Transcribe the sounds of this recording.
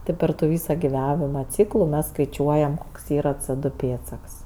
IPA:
ˈtɜ pɐr tʊ ˈʋʲiːsɐ ɡʲɪˈʋɑːʋʲɪmɐ ˈt͡sʲiːklˠʊ mʲɛs skɐɪˈt͡ʃʲuɔjɛm ˈkoːks ˈiːrɐ t͡sɜ ˈdʊ ˈpʲeːtsɐks

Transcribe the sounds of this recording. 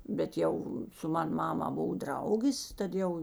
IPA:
bʲɛt ˈjɛʊ sʊ ˈmɐn ˈmɑːmɐ ˈboːw ˈdrɐʊɡʲeːs ˈtɐt ˌjɛʊ

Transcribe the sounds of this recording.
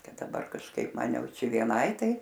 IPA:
ˈkɐt dɐˈbɐr kɐʃˈkɐɪp ˈmɐn ˈjɛʊ ˈt͡ʃʲɛ ʋʲiɛˈnɐɪ ˈtɐɪ

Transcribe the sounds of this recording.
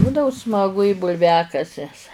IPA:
ˈbuːdɐʋoː smɐˈɡʊ ɪ bʊlʲˈʋʲæːkɐsʲɛs

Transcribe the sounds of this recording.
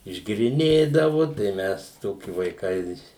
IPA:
ɪʒʲɡʲeːrʲɪˈnʲeːdɐʋʊ tɐɪ ˈmʲɛs ˈtoːkʲɪ ʋɐɪˈkɐɪ

